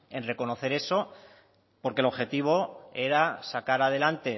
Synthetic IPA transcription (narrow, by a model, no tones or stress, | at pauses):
e̞nre̞ko̞no̞θe̞ɾe̞so̞ | po̞ɾke̞lo̞xe̞t̪iβ̞o̞e̞ɾasakaɾaðe̞lant̪e̞